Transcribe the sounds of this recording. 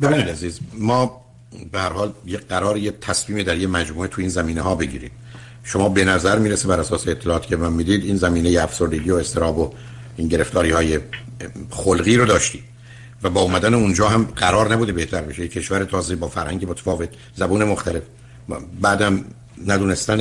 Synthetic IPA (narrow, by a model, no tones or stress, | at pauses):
bebiːniːd̪æziːzmɒː | behæɾhɒːljeɢæɾɒːɾijet̪ʰæsmiːmiːd̪æɾjemæd͡ʒmuːet̪ʰuiːnzæmiːneɦɒːbe̞ɟiːɾḭːd̪̥ | ʃomɒːbe̞næzæɾmiːɾesebæɾæsɒːseet̪ʰːelɒːt̪kcʰeemæmmiːd̪iːd̪iːnzæmiːnejeæfsoɾd̪eɟiːoest̪e̞ɾɒːbo | inɟe̞ɾeft̪ɒːɾiːhɒːje | xolɣiːɾod̪ɒːʃt̪iːd̪̥̚ | væbɒːuːmæd̪æneund͡ʒɒːɦæmɢæɾɒːɾnæbuːd̪ebe̞ht̪ʰæɾbeʃejecʰe̞ʃvæɾet̪ʰɾɒːzibɒːfæɾhæ̰ŋɟemot̪ʰæ̥fɒːve̞t̪̚ʰ | zæbuːne̞moxt̪æle̞f | bæd̪æm | næd̪uːnest̪æn